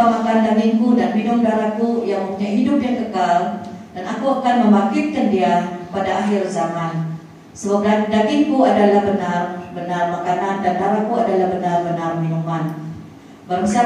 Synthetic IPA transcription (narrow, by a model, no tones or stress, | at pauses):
amakandaɡinkudanminʊmdaɾakujaŋməmpuɲajɦidʊp̚iaŋkəkaldanakuakanmə̃mbakɪt̪̚kandiapadaaɦɪrzaman | səbap̚dadaɡɪnkuadalahbənarbənarmakanandandaɾakuadalahbənarbənarminuman | barbəsa